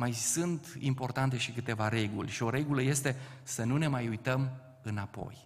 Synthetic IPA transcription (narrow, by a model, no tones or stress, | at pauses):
majsɨnt̪impo̞rt̪ant̪e̞ʃikɨt̪e̞vaɾe̞ɡṵlʲʃio̞ɾe̞ɡuləje̞st̪e̞sənune̞majujt̪əm | ɨnapo̞̰j